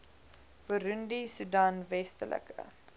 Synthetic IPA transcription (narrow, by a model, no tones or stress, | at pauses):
b̥əɾundisudaːnvɛstəlʔə̰kə̰